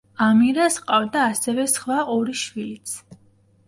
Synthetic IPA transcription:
amiɾasqʼavd̪aːsɛvɛsχwaʔɔɾiʃwilit̪sʰ

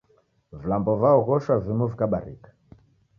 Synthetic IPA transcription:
vilambɔvaɔɣɔʃwavimɔvikaɓa̰ɾḭkḁ

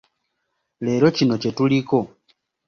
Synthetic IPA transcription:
le̞ːlo̞cino̞cetuliko̞

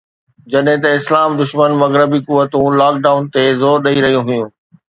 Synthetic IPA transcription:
d͡ʑɐɗɦɪ̃t̪ɐɪslaːmd̪ʊʃmənmɐɣɾəbikʊʋːət̪ũlaːk̚ɖaːʊnt̪ezoːɾɗɐiɾɐɦijũɦʊjũː

